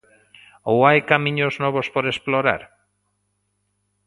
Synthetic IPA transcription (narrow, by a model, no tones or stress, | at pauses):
owajkamĩɲoznɔβ̞ospoɾesploɾa̰ɾ